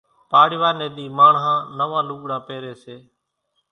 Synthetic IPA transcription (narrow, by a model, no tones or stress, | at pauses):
paːɽɪʋaːneːɗ̪iːmaːɳɦãːnəʋaːluːɠɽaːpeːɾeːseː